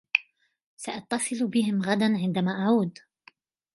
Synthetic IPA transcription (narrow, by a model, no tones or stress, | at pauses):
saʔɑt̪ːɑsˤɨlbɪɦɪmɣad̪anʕɪnd̪amaːʔaʕuːd̪